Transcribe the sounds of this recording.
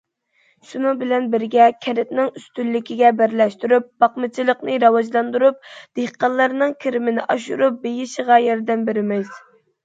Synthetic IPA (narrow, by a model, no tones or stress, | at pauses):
ʃunɨŋbɪlɛnbɪɾɡʲɛkʲʰɛɾɪt̪nɪŋyst̪ylːɪkʲiɡʲɛbæɾlɛʃt̪yɾyp̚b̥ɑqmɨt͡ʃʰilˠəqnɨɾɑwɑd͡ʒlˠɑnd̪uɾup̚d̪̥eχqɑlˠːɑɾnɨŋkʲʰiɾɪmɪnɪʔɑʃṵɾup̚bejiʃəʁɑjɛɾd̪ɛmbeɾɪmɪz